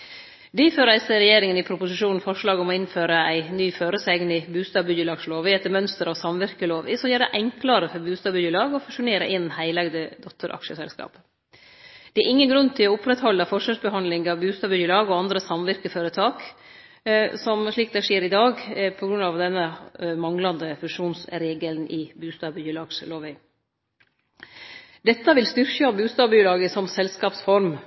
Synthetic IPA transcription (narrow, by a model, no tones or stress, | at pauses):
d̪iføːɾæɪsəɾɛjeːɾɪŋənɪpʰɾʊpʊsɪʂuːnn̩fɔʂɭɑːɡɔmɔɪnføːɾəæɪnyːføːɾəsæɪɡənɪbʉːst̪ɑːbʏdəlɑːɡsloːʋɪɛt̪ːəɾmœnst̪əɾɑʋsɑmʋɪɾkəloːʋɪ̰sɔmjæːɾd̪ɛʔɛŋkləɾəfɔɾbʉːst̪ɑːbʏjəlɑːɡɔfʉʂʊneːɾə̰ʔɪnhæɪlɑɡd̪əd̪ɔt̪ʰːəɾʔɑ̰kʂəsɛ̰lskɑ̰ːp | d̪̥ɛæɾʔɪŋːənɡɾʉnːt̪ʰɪlɔʊpɾɛt̪hɔlːəfɔʂʋɑːʂbəɦɑnlɪŋɑːʋbʉːst̪ɑːbʏjəlɑːɡɔɑnd̪ɾəsɑmʋɪɾkəføːɾət̪ʰɑːk | sɔmʂɭiːk̚d̪ɛʂeːɾɪd̪ɑːɡpʰɔɡɾʉnɑʋd̪ɛnːəmɑŋlɑnd̪əfʉʂuːnsɾeːɡəlnʔɪbʉːst̪ɑːbʏəlɑːɡsloːʋæɪ | d̪̥ɛt̪ːəʋɪlst̪ʏɾçəɑbʉːst̪ɑːbyːlɑːɡəsɔmsɛlskɑːpsfɔɾm